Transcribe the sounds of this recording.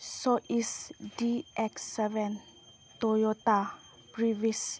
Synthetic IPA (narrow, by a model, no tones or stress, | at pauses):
soʔisdiʔɛksɛvɛ̃n | t̪ojot̪a | pɹivis